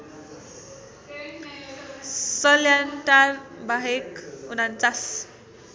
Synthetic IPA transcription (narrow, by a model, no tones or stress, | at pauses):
sʌljanʈarbaɦekunant͡sas